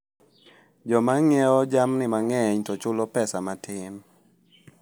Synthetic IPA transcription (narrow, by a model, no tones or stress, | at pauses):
d͡ʒɔmaŋɛɔd͡ʒamnɪmaŋɛɲtɔt͡ʃʊlɔpɛsamatʰɪn